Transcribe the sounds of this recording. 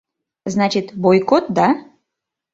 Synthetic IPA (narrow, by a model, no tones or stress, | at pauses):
znat͡ɕɪt̪bojkot̪̚d̪a